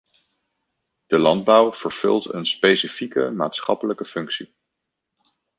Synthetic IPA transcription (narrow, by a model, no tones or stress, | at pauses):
d̥əlɑnd̚bʌwv̥əɹv̥ɵ̰lˠtə̰nspejsifikə̰ma̰ːtsχɑpələkəfɵŋksi